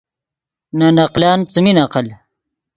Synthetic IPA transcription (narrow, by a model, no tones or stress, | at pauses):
nanɐqlaːnt͡suminaqal